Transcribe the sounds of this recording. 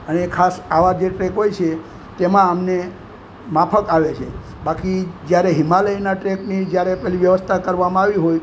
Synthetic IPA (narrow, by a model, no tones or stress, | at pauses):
ənekʰasaʋad͡ʒeʈɾekɦojt͡ʃʰe | t̪emãəmne | mapʰəkaʋet͡ʃʰe | bakid͡ʒjaɾeɦimaləjnaʈɾeknid͡ʒjaɾepɛɦliʋjəʋəst̪ʰakəɾʋamãaʋiɦoj